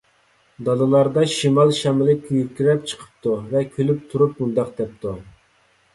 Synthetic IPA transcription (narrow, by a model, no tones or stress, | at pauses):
d̪ɑlˠɨlˠɑɾd̪ɑʃimɑlˠʃɛmɪlɪkʲʰːjyɾkʲiɾɛp̚t͡ʃʰə̥qʰə̥p̚t̪uvɛkʲʰølyp̚t̪ʰuɾup̚mund̪ɑq̚d̪ɛp̚t̪ʰu